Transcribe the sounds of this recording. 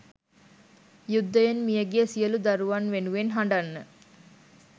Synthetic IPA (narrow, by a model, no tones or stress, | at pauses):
jud̪ːəjenmijəɡejəsijəlud̪aɾuʋanʋenuʋenɦaɳɖanːə